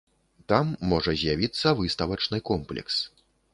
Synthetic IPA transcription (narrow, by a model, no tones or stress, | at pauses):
t̪amːɔʐɐzʲjavʲit̪sːɐvɨst̪ɐvɐt͡ʂnɨkɔmplʲɛ̰ks